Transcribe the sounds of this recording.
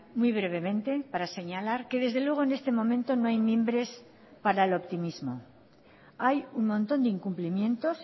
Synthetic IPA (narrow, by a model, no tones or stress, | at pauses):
mwujβ̞ɾe̞β̞e̞mẽ̞nt̪e̞paɾase̞ɲalaɾke̞ðe̞zðe̞lwe̞ɣ̞o̞ene̞st̪e̞mõ̞mẽ̞nt̪o̞noajmje̞mbɾe̞s | paɾaelo̞pt̪imizmo̞ | ajuŋmõ̞nt̪o̞nd̪eiŋkumplimjẽ̞nt̪o̞s